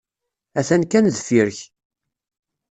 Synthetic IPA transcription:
æθænkænðfiɾç

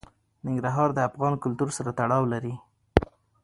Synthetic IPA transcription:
nɪŋɡɾaɦɑɾd̪əafɣɑnkʊlt̪uɾsaɾat̪aɽɑwlaɾi

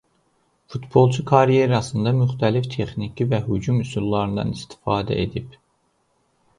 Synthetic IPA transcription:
fut̪bo̞lˠt͡ʃʰukʰɑɾije̞ɾɑsɯnd̪ɑmyxt̪ʰælift̪ʰe̞χnicʰivæɦyd͡ʒumysylˠlːˠɑɾɯnd̪ɑ̰nist̪ʰi̥fɑːd̪æ̰ʔe̞d̪ib

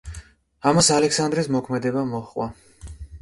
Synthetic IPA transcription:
amasalɛksand̪ɾismɔkʰmɛd̪ɛbamɔχqʼwa

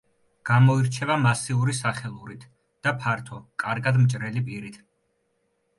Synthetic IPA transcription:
ɡ̥amɔiɾt͡ʃʰɛvamasiuɾisaχɛlˠuɾit̪ʰ | d̪̥apʰaɾt̪ʰɔkʼaɾɡad̪mt͡ʃʼɾɛlipʼiɾit̪ʰ

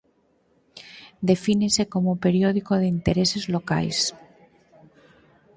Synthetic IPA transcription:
d̪e̞finese̞ko̞mope̞ɾjoð̞ikoð̞eint̪eɾese̞zloka̰js

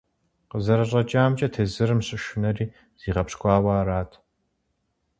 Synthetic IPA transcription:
qəzɐɾɐɕʼɐt͡ʃʼaːmt͡ʃʼɐtʰeːzɨɾɨmɕʼɪʃʊnɐriː | z̥iːʁɐpɕkʷʼɑːwaːraːtʰ

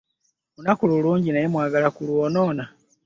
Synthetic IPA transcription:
unakululuːɲɟinaje̞mwaːɡalakuluono̞ːna

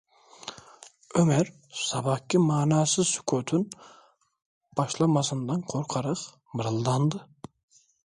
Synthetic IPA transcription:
ømæɾ | sɑbɑhkʲʰːimɑːnæːsɪzsy̥kʰøt̪ʰyn | b̥ɑʃlˠɑmɑsɨnd̪ɑnqʰoɾqʰɑɾɑq | mɨɾɨlˠd̪ɑnd̪ɨ

